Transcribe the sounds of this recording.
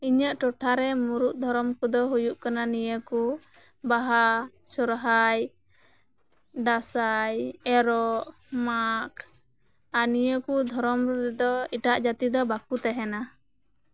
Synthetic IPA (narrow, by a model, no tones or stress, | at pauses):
iɲəʔʈɔʈʰaɾɛmuɾuʔ̚d̪ʱɔɾɔmkud̪ɔɦujuʔkananijəku | baɦa | sɔɾɦaj | d̪asajɛɾɔʔ | makʰ | anijəkud̪ʱɔɾɔmɾd̪ɔiʈaʔd͡ʒat̪id̪ɔbakut̪ɛɦɛna